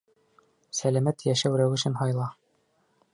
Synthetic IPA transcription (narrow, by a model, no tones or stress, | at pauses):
sælæmæt̪jæʃæwɾæwɘ̆ʃɘnɦɑjlˠɑ